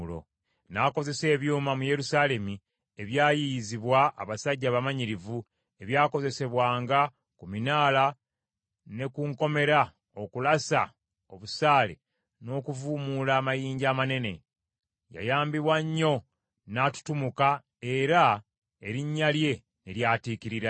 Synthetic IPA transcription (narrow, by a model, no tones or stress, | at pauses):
lo̞̰ | naːko̞ze̞se̞ːβjuːmamuje̞ɾusaːle̞mi | e̞βjaːjiziβwa̰ːβasaɟːaβamaɲiɾivu | e̞βjaːko̞ze̞se̞βwaːŋɡa | kuminaːla | ne̞kuŋko̞me̞ɾa | o̞kulasa̰ | o̞βusaːle̞̰ | no̞ːkuvuːmulaːmajiːɲɟaːmane̞ne̞ | ja̰jaːmbiβwaɲːo̞ | naːtu̥tumuka | e̞ɾa | eɾiɲːalje̞ | neɾjaːtiːkiɾiɾa